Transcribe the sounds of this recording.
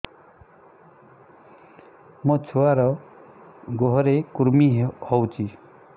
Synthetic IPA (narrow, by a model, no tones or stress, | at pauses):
mɔt͡sʰuwaɾɔ | ɡoɦɔɾekuɾmihɔwt͡sʰi